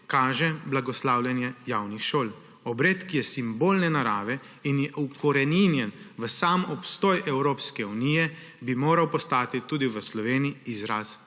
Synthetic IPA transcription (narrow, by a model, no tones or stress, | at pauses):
kaːʒɛblaɡɔslaːwlʲjɛnjɛjaːwnixʃoːl | ɔbɾeːt̪kijɛsimboːlnɛnaɾaːʋɛ | injɛukɔɾɛninjɛnʋəsaːmɔpst̪ɔːjʔɛwɾoːpskɛunijɛ | bimoːɾawpɔst̪aːt̪it̪uːd̪iʋəslɔʋeːniiizɾaːs